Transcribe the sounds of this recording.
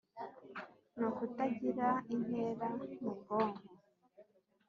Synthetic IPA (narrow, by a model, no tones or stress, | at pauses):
nokutaɟiɾain̥heːɾamubɡoːŋɡo